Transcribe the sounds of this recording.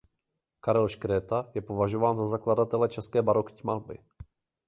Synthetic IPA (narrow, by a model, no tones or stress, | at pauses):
kaɾɛlʃkɾɛːt̪ajɛpo̞vaʒo̞vaːnzazakladat̪ɛlɛt͡ʃɛskɛːbaɾo̞kcmalbɪ̰